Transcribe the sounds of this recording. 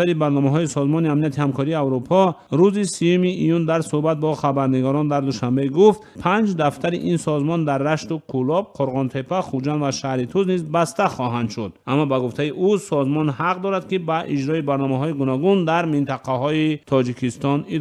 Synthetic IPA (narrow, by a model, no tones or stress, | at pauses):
aɾibaɾnɔmaɦɔisɔzmɔniamnijat̪ʰihamkʰɔɾiːawɾupʰɔɾuzisijumiːjund̪aɾsuhbat̪̚bɔχabaɾniɡɔɾɔnd̪aɾd̪uʃambe̞ɡuft̪pʰand͡ʒd̪aft̪ʰaɾiʔinsɔzmɔnd̪arːaʃt̪ukʰulɔb̚qʰoɾʁɔnt̪ʰe̞pʰaχud͡ʒand̪vaʃahɾit̪ʰuznizbast̪aχɔɦand̪ʃud̪̚amːɔbaɡuft̪aiʔusɔzmɔnhaqd̪ɔɾad̪kibaʔid͡ʒɾɔibaɾnɔmaɦɔiɡunɔɡund̪aɾmint̪ʰaqʰaɦɔit̪ʰɔd͡ʒikʰist̪ɔni